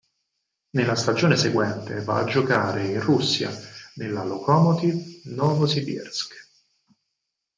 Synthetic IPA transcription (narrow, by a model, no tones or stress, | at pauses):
nelːast̪ad͡ʒoːneseɡwɛnt̪ḛva̰ːd͡ʒokaːɾeinrusːja̰nelːalokʰɔmɔt̪ivnɔːvosibḭrsk